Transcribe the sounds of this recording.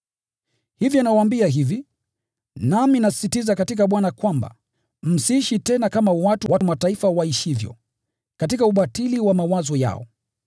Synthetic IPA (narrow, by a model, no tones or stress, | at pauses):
hivjɔnawaːmbiaɦivi | naminasi̥sitizakatikaɓwanakwamba̰ | m̩siiʃitɛnakamawatuwamataifawaiʃivjɔ̰ | katikauɓatiliwamawazɔja̰ɔ̰